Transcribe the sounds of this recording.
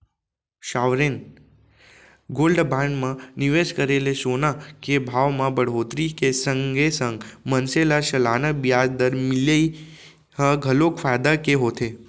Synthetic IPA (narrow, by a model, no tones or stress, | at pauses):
ʃaʋɾen | ɡolɖbãɳɖmãniʋeʃkəɾeleʃonakebʱaʋmãbəɽ̤ɦot̪ɾikesəŋɡesə̃ŋɡmənselaʃəlanəbjad͡ʒd̪əɾmɪləi | ɦəɡʱəlokfad̪akeɦot̪ʰe